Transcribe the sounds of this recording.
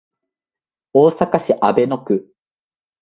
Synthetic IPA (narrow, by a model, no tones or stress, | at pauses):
oːsakaɕiʔabe̞no̞kɯ̟